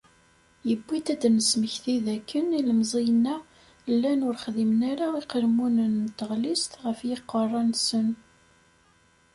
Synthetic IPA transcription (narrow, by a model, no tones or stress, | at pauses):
jəbːit̪æd̪nəsməçθiðækːəniləmzˤijənːæ | lːænʊɾχðimnaɾaiqəɾmunənt̪ːəʁlist̪ʁəfjiqːərˤːɑnsən